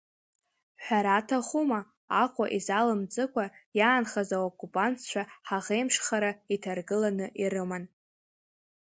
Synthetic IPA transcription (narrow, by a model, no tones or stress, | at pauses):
ħʷᶣaɾatʰaχuma | aqʷʼa̰ʔizalɨmd͡zʼɨkʷajaːnχazaokʼːupʼantʰt͡ʃʷʰaħaʁejmʂχaɾaitʰarɡɨlanɨʔirɨman